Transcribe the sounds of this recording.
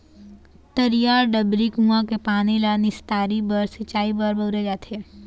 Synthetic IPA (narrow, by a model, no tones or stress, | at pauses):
t̪ɐɾijaːɾɖəbɾikũãkepaːñilanɪst̪aːɾibəɾsɪt͡ʃaːibəɾbəɾed͡ʒaːt̪ʰeː